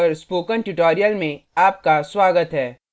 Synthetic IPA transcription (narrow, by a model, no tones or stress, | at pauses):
ɾspoːkənʈʊʈoːɾijəlmẽaːp̚kaswaːɡət̪ɦɛː